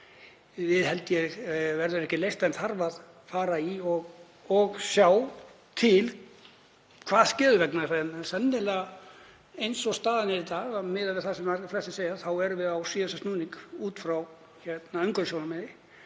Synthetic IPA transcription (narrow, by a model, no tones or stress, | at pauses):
vɪðhɛlt̪ɪjɛvɛɾðʏɾɛhcɪlejst̪ɛnθaɾvað | faːɾaiɔɣ | ɔɣsjaːw | t̪ʰɪl | kʰvaːðscɛːðʏvɛknasannsɛnːɪlɛɣ | ejnsɔst̪aːðanɪɾɪt̪aːɣamɪːðavɪðθasɛmaɾflɛsɪ̥seːjaθawɛɾʏvɪðawsiːðɛsast̪nuːniŋkuːt̪fɾaw | çɛt̪naœŋkœnsownamɪðɪ